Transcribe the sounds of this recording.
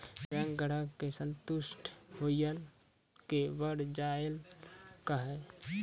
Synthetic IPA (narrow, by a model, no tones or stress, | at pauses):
bɛ̃ːŋɡʱəɽakːesə̃nt̪ʊsʈʰɦoɪjəl | kebəɽd͡ʒaːjəlkaɦɛː